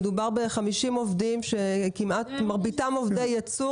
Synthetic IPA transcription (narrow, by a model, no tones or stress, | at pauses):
dubaʁbeχamiʃimovdimʃe̞kimatmaʁbitamovdejat͡su